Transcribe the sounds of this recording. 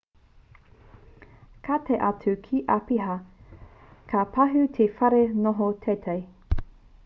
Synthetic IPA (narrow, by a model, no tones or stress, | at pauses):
kʰatʰeʔɐt͡sʰʉkʰiʔapiɦɐ | kʰapʰɐɦʉtʰefɐɾenoɦotʰetʰej